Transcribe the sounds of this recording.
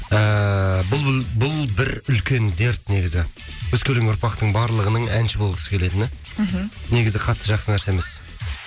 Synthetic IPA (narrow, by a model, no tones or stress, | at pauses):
əbʊlˠbʊlˠbɪɾʏlkʲe̞nd̪e̞ɾt̪ne̞ɡʲɪzɪ | wɵzkʲʰɵlɪŋʊɾpɑqt̪əɴbɑɾlˠəʁənəɴænʃɪboəpkʰʲʏ̥sɪ̥kʲʰe̞le̞d̪ɪne | ne̞ɡʲɪzɪqʰɑt̪ʰːəʒɑqsənæɾse̞mɪz̥